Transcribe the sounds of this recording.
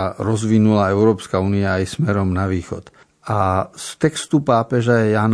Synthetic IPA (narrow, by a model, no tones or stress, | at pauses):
ɾɔzʋinulaɛʊɾɔːpskauːniaːjsmɛɾɔmnaʋiːxɔ̰t̪ | ʔast̪ɛkst̪upaːpɛʒajɛjaːn